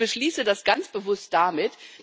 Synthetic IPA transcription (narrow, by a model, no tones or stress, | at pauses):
b̥əʃliːsədasɡ̥ant͡sb̥əvʊst̚d̥amɪt